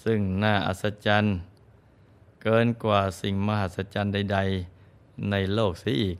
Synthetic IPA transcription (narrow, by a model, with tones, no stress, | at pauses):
sɯ˧˩ŋnaː˧˩ʔa̰˧t̪̚sa˧˥t͡ɕa˧˥n | kɤː˧nkwaː˧˩si˨˩ŋma˧ha˧t̪̚sa˧t͡ɕa˧˥nda˧˩jda˧j | na˧˩jloː˥˩k̚si˨˧˦ʔiː˨˩k̚